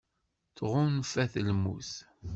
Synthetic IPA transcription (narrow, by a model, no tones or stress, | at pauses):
θʁʊnfæθəlmṵθ